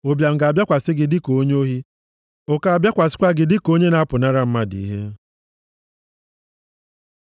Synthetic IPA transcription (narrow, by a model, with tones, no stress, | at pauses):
o˦bja˨m̩˨ɡa˨bja˦kʷa˨sɪ˦ɡɪ˨dɪ˦ko˨˦ɲe˦o˦ɦi˦ | o˦ka˨a˨bja˦kʷa˨sɪ̥˦kʷa˦ɡɪ˨dɪ˦ko˦ɲe˦na˦pʊ˨na˦ɾa˦m̩˦ma˦di˨i˦ɦe˦